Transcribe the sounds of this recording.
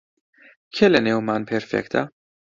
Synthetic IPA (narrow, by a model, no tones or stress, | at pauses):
kʰɛlɛnɛwmɐnpɛɾfɛ̰kt̪ʰɐ̰